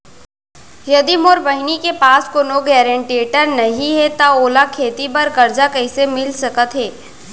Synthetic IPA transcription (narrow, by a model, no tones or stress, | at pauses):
jɐd̪imoːɾbəɦɪnikepaːskoːnoɡɛːɾẽɳʈieːʈəɾnɐɦĩɦɛt̪aoːlakʰeːt̪ibɐɾkɐɾd͡ʒakɐɦɪsemɪlsɐkət̪ɦɛː